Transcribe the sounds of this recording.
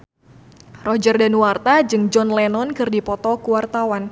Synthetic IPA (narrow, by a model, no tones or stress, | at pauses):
rɔd͡ʒərdanuwart̪ad͡ʒɨŋd͡ʒɔnlɛnɔnkɨrdipɔt̪ɔkuwart̪awan